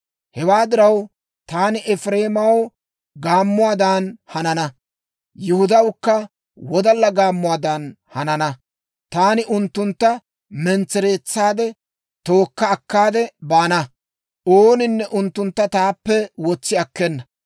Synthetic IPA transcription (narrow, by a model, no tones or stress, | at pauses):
hɛwaːd̪ɪɾɐw | t̪aːnɪʔɛfɾe̞ːmɐw | ɡaːmːʊwaːd̪anhɐnɐnɐ | jʊhʊd̪ɐwkːɐ | wɔd̪ɐlːɐɡaːmːʊwaːd̪ɐn | hɐnɐnɐ | t̪aːnɪʔʊnt̪ːʊnt̪ːɐ | mɛnt͡sːɛɾe̞ːt͡sːaːd̪ɛ | t̪o̞ːkːɐːkːaːd̪ɛbaːnɐ | oːnɪnːɛʔʊnt̪ːʊnt̪ːɐt̪aːpːɛwɔt͡sːɪɐkːɛnːɐ